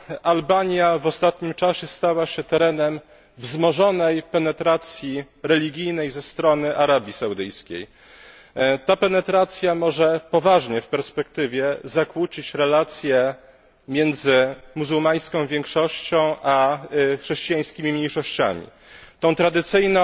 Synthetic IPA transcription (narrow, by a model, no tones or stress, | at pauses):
albaɲjavɔst̪at̪ɲimt͡ʂaɕɛst̪awaɕɛt̪ɛɾɛnɛm | vzmɔʐɔnɛjpɛnɛt̪ɾat̪sʲji | ɾɛlʲiɡʲijnɛjzɛst̪ɾɔnɘʔaɾabʲjisawd̪ɘjskʲḛj | t̪apɛnɛt̪ɾat̪sʲjamɔʐɛpɔvaʐɲɛfpɛɾspɛkt̪ɘvʲjɛzakwut͡ɕit͡ɕɾɛlat̪sʲjɛ | mʲjɛnd̪zɘmuzuwmaj̃skɔ̃w̃vʲjɛŋkʂɔɕt͡ɕɔ̃w̃ʔaxʂɛɕt͡ɕijaj̃skʲimʲimʲɲejʂɔɕt͡ɕa̰mʲḭ | t̪ɔ̃w̃t̪ɾad̪ɘt̪sɘjnɔ̃